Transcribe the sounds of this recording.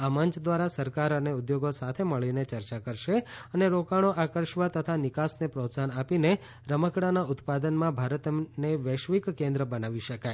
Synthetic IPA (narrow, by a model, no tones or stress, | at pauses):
aməɲt͡ʃʰd̪ʋaɾasəɾkaɾəneud̪joɡosat̪ʰeməɭinet͡ʃəɾt͡ʃakəɾʃeəneɾokaɽ̃oʔakəɾʃʋat̪ət̪ʰanɪkasnepɾot̪sanapine | ɾəməkɽanaʊt̪pad̪ənmãbʱaɾət̪neʋəʃʋikkẽnd̪ɾəbənaʋiʃəkaj